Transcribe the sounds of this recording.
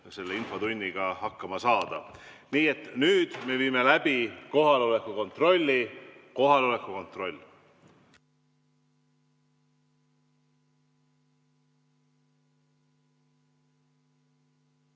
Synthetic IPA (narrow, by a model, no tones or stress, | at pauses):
se̞lːeinfo̞t̪unʲːiɡ̥ɑhɑkːɑmɑsɑːd̪̥ɑ | niːe̞t̪ːˑnyːd̪̥me̞viːme̞læb̥iko̞ɦɑlo̞lekːˑuko̞nt̪ˑro̞lʲːiko̞ɦɑlo̞le̞kːˑuko̞nt̪ro̞lʲː